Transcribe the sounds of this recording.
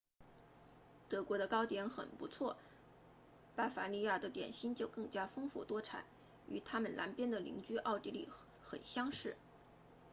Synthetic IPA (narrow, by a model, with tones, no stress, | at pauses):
t̪ɤ˧˥kwɔ˧˥d̪ə˧kɑ˥ʊt̪jɛ˧˥nxə̰˨˩npu˧˥t͡sʰwɔ˥˩ | pa˥fa˧˥li˥˧ja˥˩d̪ə˩t̪jɛ̰˨˩nɕi˥nt͡ɕjo˥˧ʊkɤ˥˩ŋt͡ɕja˥fɤ˥ŋfṵ˥˩t̪wɔ˥ʈ͡ʂʰa̰˨˩˦n | y̰˧˥t̪ʰa˥mə˨nlʔa˧˥npjɛ˥nd̪ə˨lḭ˧˥ŋt͡ɕy˥ʔɑ˥˩ʊt̪i˥lḭ˥˩ | xə̰˨˩nɕjɑ˥ŋʂɻ̩˥˩